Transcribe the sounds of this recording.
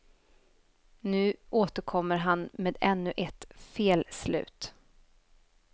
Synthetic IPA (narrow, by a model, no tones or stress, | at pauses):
nʉ̟ːʔoːt̪əɾkʰɔmːəɾɦanmeːd̪ɛnːɵʔɛt̪feːlslʉ̟̰ːt̪